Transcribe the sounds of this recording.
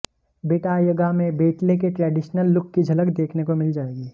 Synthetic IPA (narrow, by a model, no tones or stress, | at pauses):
beːʈajɐɡamẽbeːʈlekeʈɾɛːɖɪʃnəlːʊkːid͡ʒʱɐləkd̪eːkʰnekomɪld͡ʒaːeːɡiː